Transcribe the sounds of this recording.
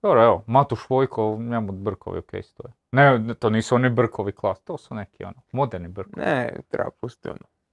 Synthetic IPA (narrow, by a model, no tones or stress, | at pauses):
d̪̥oɾoeʋomat̪uʃʋojkʰoɲamud̪br̩kʰoʋḭokḛjst̪o̰je | net̪oːniːsuonibr̩kʰoʋiklˠaːst̪oːsunekʰio̰nomod̪eɾnibr̩kknnɛt̪ɾḛapust̪io̰no